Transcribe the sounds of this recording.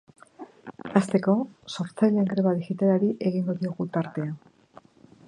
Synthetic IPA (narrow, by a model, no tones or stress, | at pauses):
ast̪e̞ko̞so̞ɾt͡sajʎeŋɡɾeβaðixit̪alaɾiʔe̞ɣiŋɡo̞ðioɣut̪aɾt̪e̞a